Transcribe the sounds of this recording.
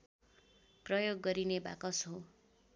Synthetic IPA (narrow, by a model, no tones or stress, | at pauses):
prʌjoɡːʌɾineba̰kʌsɦo